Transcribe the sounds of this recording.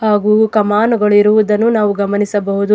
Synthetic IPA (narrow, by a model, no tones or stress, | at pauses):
haːɡukɐmaːnuɡɐɭiɾuʋud̪ɐnːunaːʋuɡɐmɐnisɐbɐɦud̪u